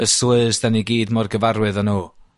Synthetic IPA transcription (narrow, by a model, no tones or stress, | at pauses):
əsʊɨsdaniɡiːdmɔrɡəvaɾwɨðənuː